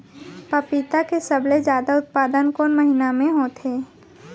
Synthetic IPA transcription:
pəpit̪akesəbled͡ʒjaːd̪aʊt̪̚paːd̪ənkoːnməɦinamẽɦoːt̪ɦeː

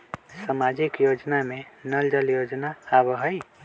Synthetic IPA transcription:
səmaːd͡ʒikjoːd͡ʒnamẽnəld͡ʒəljoːd͡ʒnaabɦəj

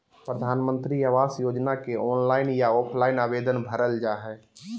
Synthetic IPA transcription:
pɾəd̪ʱaːnmə̃nt̪ɾiaʋaːsjoːd͡ʒnakeɔːnlaːɪnjaɔːpʰlaːɪnaːbeːd̪ənbʱəɾəld͡ʒaɦɛ

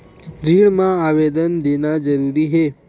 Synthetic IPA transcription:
ɾiɭmãaʋed̪ənd̪enad͡ʒəɾuɾiɦe

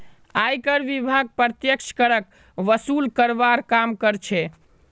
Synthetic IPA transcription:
ajkəɾʋibʱaɡ̚pɾət̪jəkt͡ʃʰkəɾək̚ | ʋəsulkəɾbaɾkamkəɾt͡ʃʰɛ

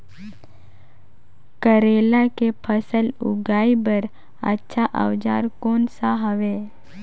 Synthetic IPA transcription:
kəɾelakepʰəsəlʊ̰ɡaːibəɾ | ə̰tːʃʰaʔə̰ʋd͡ʒa̰ːɾkoːnsaɦəʋe

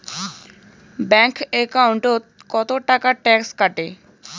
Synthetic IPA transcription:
bɛŋkekawɳʈot̪kɔt̪oʈakaʈɛkskaʈe

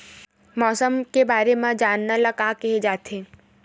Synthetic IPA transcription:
mɔːsəmkebaːɾemãd͡ʒaːnːalakaːkɛɦed͡ʒaːt̪ʰe

